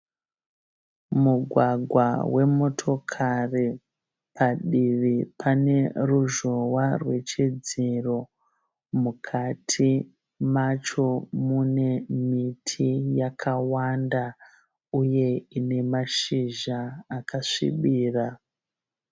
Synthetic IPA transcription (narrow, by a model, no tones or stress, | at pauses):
muɡʱwaɡʱwawe̞mo̞tʰo̞kʰari | pʰaɗiʋipʰane̞ruʒo̞warwe̞t͡ʃid͡ziro̞ | mukʰatʰi | mat͡ʃo̞mune̞mitʰijakʰawanda | uje̞ine̞maʃiʒaːkaʂḭɓiːra